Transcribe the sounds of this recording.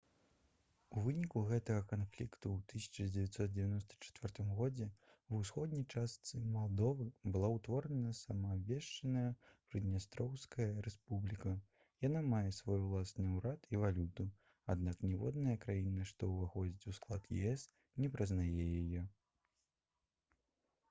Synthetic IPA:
uvɨnʲikuɣɛt̪ɐɣɐkanflʲikt̪uːt̪ɨsʲɐ̥t͡ʂɐd͡zʲɛvʲɛt̪ʲsɔt̪̚d͡zʲɛvʲanɔst̪ɐ̥t͡ʂɛ̥t̪vʲɛrt̪ɨmɣɔd͡zʲɛ | wusxɔd̪nʲɐjt͡ʂast̪sɨmalˠd̪ɔvɨbɨlˠawt̪vɔɾɐnɐsɐmɐːvʲɛʂt͡ʂɐnɐjɐpɾɨd̪nʲast̪ɾɔwskɐjɐɾɛspublʲikɐ | janamajɛsvɔjulˠasnɨwɾat̪ʰivalʲut̪u | ad̪naknʲɛvɔ̰d̪nɐjɐkɾajinɐʂt̪ɔvaxɔd͡zʲit͡sʲusklˠat̪jɛ̰ɛs | nʲɛpɾɐznajɛjajɔ

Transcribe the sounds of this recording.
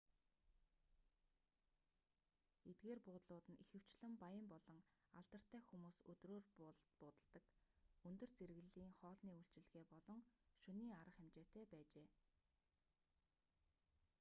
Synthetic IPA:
et̪̚ɡeːrpʊːt̪ɮʊːt̪ə̆nixɘ̆w̥t͡ɕɮɘ̆mpajə̆mpɔɮɞ̆ŋaɮt̪ə̆r̥t̪æːxumuːsɵt̪roːrːpʊːt̪ə̆ɮt̪ə̆kɵnt̪ɵ̆rt͡seɾɣɘ̆ɮiːŋχɔːɮniːuɬt͡ɕɪ̆ɮ̆ɣeːpɔɮɞ̆ŋʃɵniːaɾə̆χemt͡ɕeːt̪ʰæːpæːt͡ɕeː

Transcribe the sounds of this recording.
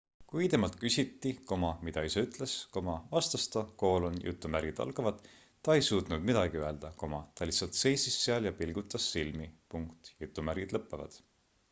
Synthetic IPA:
kujt̪e̞mɑlt̪̚kysʲit̪ˑːiko̞mɑmid̪ɑiseyt̪ˑle̞sko̞mɑvɑst̪ɑst̪ɑko̞ːlonjʔṵt̪ˑːumærɡ̥id̪̥ɑ̰lɡ̥ɑvɑd̪̥ | t̪ːɑe̞jsuːt̪ˑnud̪mid̪̥ɑɡ̥iøe̞ld̪̥ɑko̞mɑt̪ɑlisːɑlt̪se̞jsisːeɑljɑpilɡ̥ut̪ːˑɑsːilmipuŋkt̪jut̪ˑːumærɡ̥id̪lɤpːˑevɑ̰d̪̥

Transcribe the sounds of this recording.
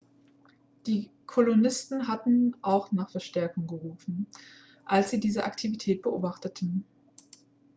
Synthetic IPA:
d̥iːkʰolonɪstn̩ɦatn̩ʔaʊxnaːχfɛɐʃtɛɐkʊŋɡəʁuːfn̩ | ʔalsz̥iːdiːzəʔaktʰivitʰɛːt̚b̥əʔo̰ːbaχtətʰn̩

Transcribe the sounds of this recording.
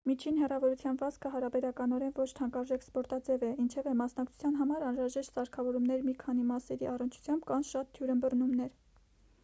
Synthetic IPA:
mit͡ʃʰinɦɛrɑvɔɾut͡sʰjɑnvɑskʰəɦɑɾɑbɛɾɑkɑn̪ɔɾɛnvɔt͡ʃʰt̪ʰɑŋkɑɾʒɛkspɔɾt̪ɑd͡zɛvɛint͡ʃʰɛvɛmɑsn̪ɑk̚t͡sʰu̥t͡sʰjɑnɦɑmɑɾɑnɾɑʒɛʃt̪sɑɾkʰɑvɔɾumnɛɾmikʰɑnimɑsɛɾiɑrənt͡ʃʰu̥t͡sʰjɑmbkɑnʃɑt̪ʰːjuɾəmbərnumnɛɾ

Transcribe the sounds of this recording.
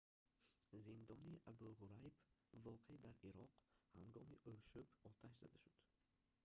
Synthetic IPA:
zind̪ɔniʔabulʁuɾajbvɔqʰed̪aɾiɾɔqha̰ŋɡɔmiʔolʃubɔt̪ʰaʃza̰d̪aʃud̪̥

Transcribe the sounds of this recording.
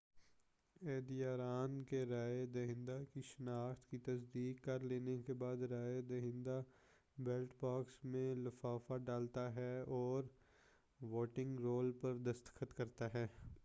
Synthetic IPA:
eːd̪ijaːɾaːnkeɾaːed̪ɐɦɪ̃nd̪akiʃɪnaːxt̪kit̪ɐsd̪iːkːɐɾleːnekebaːd̪ɾaːed̪ɐɦɪ̃nd̪a | bɛːlʈbaːksmẽlɐfaːfaɖaːlt̪aɦɛɔːɾ | ʋoːʈɪ̃ŋɡɾoːlpɐɾd̪ɐst̪ə̥xət̪kɐɾt̪aɦɛː

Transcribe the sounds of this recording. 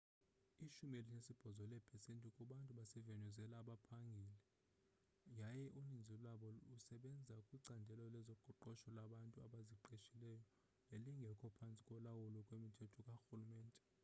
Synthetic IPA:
iʃumelinesib̥ʱɔzɔlɛbʰɛsentʼukʼuɓantʼuɓasɛvenʱɔzɛlaːɓapʰaŋɡʱilɛ | jajɛʔunind͡zʱilaɓɔusɛɓɛnd͡zʱakʼwiǀandʱɛlɔlɛzɔɡ͡ǃ̥ʱɔǃɔʃɔlaɓantʼuaɓaziǃeʃilɛjɔ | leliŋɡʱɛkʰɔpʰant͡sʼi̥kʼwɔlawulɔkʼwemitʰɛtʰɔkʼaxulumɛːntʼɛ̥

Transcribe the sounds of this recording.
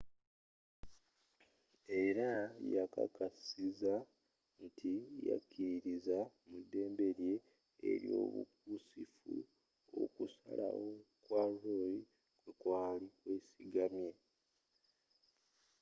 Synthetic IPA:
e̞ɾajaka̰kasiza | ntʰija̰kʰːiɾiza | mudːe̞ːmbe̞ɾje̞̰ː | ɾjo̞̰ːβṵk̚usifu | okusa̰lawo̞kwaloji | kwe̞kwaːlikwe̞ːsiɡamje̞

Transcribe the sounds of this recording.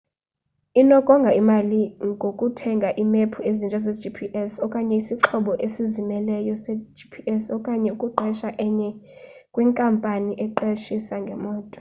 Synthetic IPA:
inɔkʼɔŋɡʱaimaliŋɡʱokʼutʰɛŋɡʱaʔimepʰuezint͡ʃʼazed͡ʒipʰiʔɛsɔkʼaɲɛisiǁʰɔɓɔʔesizimɛlɛjɔsɛd͡ʒipʰiʔɛsɔkʼaɲɛukʼuɡ͡ǃʱɛʃaʔɛɲɛ | kʼwiŋkʼampʼaniʔɛǃeʃisaŋɡʱɛmɔːtʼɔ̥

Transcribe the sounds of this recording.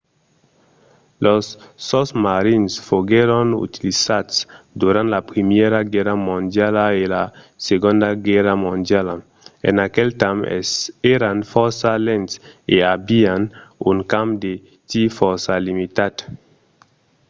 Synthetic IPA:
losːɔsmaɾinsfoɡeɾonṵt̪ilisad̪sd̪uɾãnt̪lapɾimjeɾaɡɛɾamõnd̪jalaela | seɡõnd̪aɡɛramõnd̪jala | ḛnakelt̪ãmeɾanfɔɾsalẽnt̪eabianuŋkãmpd̪e | t̪ifɔɾsalimit̪ad̪

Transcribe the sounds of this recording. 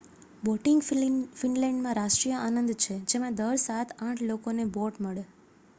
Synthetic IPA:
boʈɪŋɡfɪnlɛ̃ɳɖmãɾaʃʈɾijəanənd̪t͡ʃʰed͡ʒemãd̪əɾsat̪ʰãʈʰlokoneboʈməɭe

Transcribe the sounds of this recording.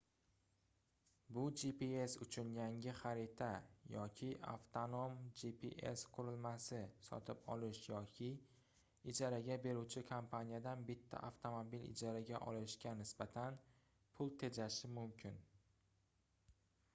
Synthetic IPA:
bʊd͡ʒipie̞sʊt͡ʃʰʊnjaŋʲɪχaɾit̪ʰajɒkʲʰɪʔa̰ft̪ʰono̞md͡ʒipʰḭʔḛsqʰʊɾɪlmasɪsɒ̰t̪ʰɪpɒlɪʃjɒkʲʰɪ | ɪd͡ʒɒɾaɡʲabe̞ɾuwt͡ʃʰɪkʰampʰanʲijad̪anbɪt̪ʰːa̰ʔaft̪ʰomobilɪ̰d͡ʒaɾaɡʲaʔɒlɪʃkʲanɪsbat̪ʰan | pʰʊlˠt̪ʰe̞d͡ʒaʃɪmʊmkʲʰɪn

